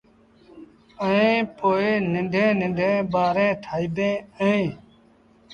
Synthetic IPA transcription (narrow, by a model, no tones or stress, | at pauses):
əẽːpoːeːnɪɳɖʱẽːnɪ̃ɳɖʱẽːbaːɾẽːʈʰaːiːb̪ẽːəẽː